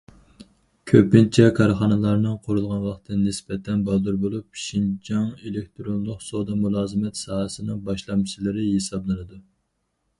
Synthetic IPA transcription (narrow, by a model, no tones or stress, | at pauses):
kʲʰøpɪnt͡ʃʰɛkʰɑɾχɑnɨlˠɑɾnɨŋqʰoɾulˠʁɑnwɑχt̪ʰɨnɪsbɛt̪ʰɛnbɑd̪uɾbolˠup̚ʃind͡ʒɑŋelek̚ʲt̪ʰɾonlˠʊqsod̪ɑmulˠɑːzɨmɛt̪sɑːɦəsɨnɨŋbɑʃlˠɑmt͡ʃilˠɨɾɪjesɑblˠɨnɨd̪u